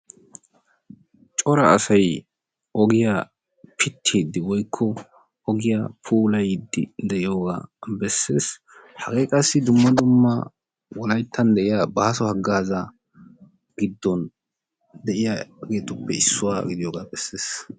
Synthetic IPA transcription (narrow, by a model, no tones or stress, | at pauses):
t͡ʃʼɔɾɐɐ̰sɐj | ɔɡɪja | pʰɪt̪ʰːeːd̪ːɪwɔjkʰːɔ | ɔɡɪjapʰuːlɐjd̪ːɪ̰d̪ɛʔɪjoːɡa̰ːbɛsːe̞ːs | hɐɡeːkʼɐsːɪd̪ʊmːɐd̪ʊmːɐ | wɔlɐjt̪ʰːɐnd̪ɛʔɪjabaːsɔhɐɡːaːzɐ | ɡɪd̪ːɔn | d̪ɛʔɪjaɡe̞ːt̪ʊpːɛɪsːʊwaːɡɪd̪ɪjoːɡaːbɛsːeːs